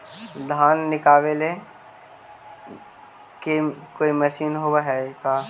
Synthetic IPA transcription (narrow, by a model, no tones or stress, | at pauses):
d̪ʱaːnːɪkaːʋele | kekoːimɐʃiːnɦoːwaɦɛkaː